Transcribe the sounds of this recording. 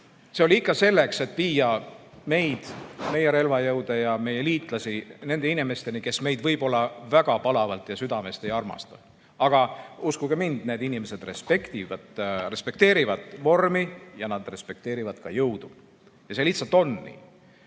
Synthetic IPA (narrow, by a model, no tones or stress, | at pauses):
se̞o̞lʲiikˑːɑse̞lːe̞kse̞t̪ːˑviːjɑ | me̞jd̪̥me̞jeɾe̞lvɑjɤwd̪̥ejɑme̞je̞liːt̪ˑlɑsine̞nd̪e̞inime̞st̪e̞nike̞sme̞jd̪vɤjb̥o̞lːɑvæɡ̥ɑpɑlɑvɑlt̪jɑsyd̪ɑme̞st̪e̞jɑrmɑ̰st̪ɑ̥ | ɑɡ̥ɑuskuɡ̥emind̪̥ne̞ːd̪inimese̞d̪re̞spe̞kt̪ivɑd̪̥re̞spe̞k̚t̪e̞ːɾivɑd̪̥vo̞rmijɑnɑd̪̥re̞spe̞k̚t̪e̞ːɾivɑd̪kɑjɤwd̪̥u | jɑseliht̪sɑlt̪ːˑo̞nːḭː